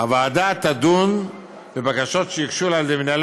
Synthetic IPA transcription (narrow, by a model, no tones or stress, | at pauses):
avaːd̪at̪ad̪un | vebakaʃo̞tʃejikʃulaldeminal